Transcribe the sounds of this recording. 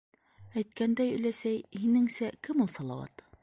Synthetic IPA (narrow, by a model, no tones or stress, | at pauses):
æjt̪kænd̪æjɵ̆læsæjhinɘŋsækɘmulˠsɑlˠɑ̰wɑ̰t̪